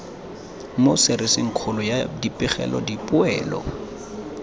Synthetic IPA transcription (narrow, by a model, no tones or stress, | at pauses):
mosɪɾɪsɪŋ̩kʰʊlʊjadipʼɪχɛ̰lɔ̰dipʼʊɛːlɔ̰